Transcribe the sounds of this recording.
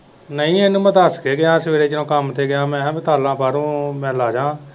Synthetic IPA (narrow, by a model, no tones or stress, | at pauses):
nəĩːenũːmət̪aːskeːɡɪjãːsʋeːɾeːt͡ʃɪnõːkəmt̪ʰeːɡɪjãːmɛ̃ːbɪt̪aːlãːbaːɾõːmɛ̃ːlaːd͡ʒãː